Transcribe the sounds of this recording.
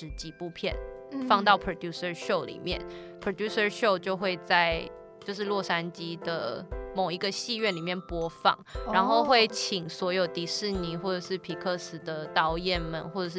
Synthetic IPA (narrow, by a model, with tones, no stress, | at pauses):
ɻ̩˧˥t͡ɕi˨˩pu˥˧pʰjɛ̰˥˩nfɑ˥˧ŋt̪ɑ˥˩ʊpʰɹo˨˩d̪ju˥sə˧ʂo˥˩ʊlḭ˨˩mjɛ̰˥˩n | pʰɹo˨˩d̪ju˥sə˧ʂo˥˧ʊt͡ɕjo˥˧ʊxwe˥˧ɪt͡sa˥˩ɪ | t͡ɕjo˥˧ʊʂ̬ɻ̩˥˧lwɔ˥˩ʂa˥nt͡ɕi˥d̪ə̰˨mo˨˩ŋi˧˥ɡə˧ɕi˥˧ɥɛ˥˩nli˨˩mjɛ˥˩npwɔ˥fɑ̰˥˩ŋɻa˧˥nxo˥˧ʊxwe˥˩ɪt͡ɕʰi˨˩ŋswɔ˧˥jo˨˩ʊt̪i˨˥ʂɻ̩˥˩ni˧˨˥xwɔ˥˩ʈ͡ʂɤ˨˩ʂɻ̩˥˩pʰi˨˩kʰɤ˥˧sɹ̩˨˩d̪ə˦t̪ɑ˧˥ʊjɛ˨˩nmə˨˦nxwɔ˥˩ʈ͡ʂɤ˨˩ʂ̬̩˥˩